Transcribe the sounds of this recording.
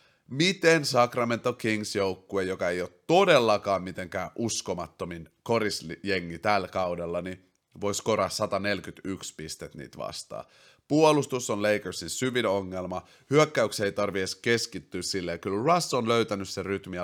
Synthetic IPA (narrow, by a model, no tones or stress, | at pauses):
mit̪ensɑkrɑme̞nt̪ːokiŋsjowkːuejokɑe̞jot̪t̪ːo̞de̞lːɑkɑːmmit̪e̞ŋkæːnʔusko̞mɑt̪ːominko̞ɾisje̞ŋːit̪ælkɑwdelːɑni | ʋo̞jsko̞ɾɑssɑt̪ɑne̞lkyt̪ykspist̪et̪nḭːt̪ʋɑ̰st̪ɑ̰ː | puolust̪usonleikərsinsyʋino̞ŋːelmɑ | hyøkːæykseit̪ɑrʋieske̞skit̪ːyːssilːejkylrɑsːonløyt̪ænysseryt̪mi